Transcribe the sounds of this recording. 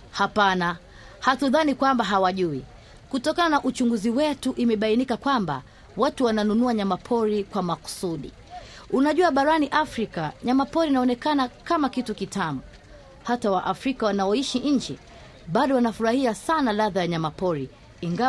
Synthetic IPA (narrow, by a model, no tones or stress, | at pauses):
hapana | hatuðanikwambaɦawaʄui | kutɔkananaʔut͡ʃuŋɡuziwɛtuʔimɛɓainikakwamba̰ | watuwananunuaɲamapʰɔɾikwamaku̥suɗḭ | unaʄuaɓaɾaniʔafɾikaɲamapɔɾinaɔnɛkanakamakitukitʰamu | hatawaʔafɾikawanaɔiʃiɲ̩d͡ʒɛ | ɓaɗɔwanafuɾahiasanalaðajaɲamapɔɾiː | ŋɡa